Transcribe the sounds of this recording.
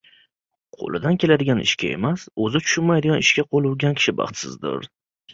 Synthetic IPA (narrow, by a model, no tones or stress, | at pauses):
qʰo̰lˠɪd̪ankʲʰelad̪ɪɡʲanɪ̰ʃkʲae̞̰masɵzɪt̪ʰʊ̥ʃʊnmajd̪ɪɡʲanɪʃkʲaqʰolˠuwɡʲankʲʰɪ̥ʃɪbɑ̰χt̪sɪ̰zd̪ɪ̰ɾ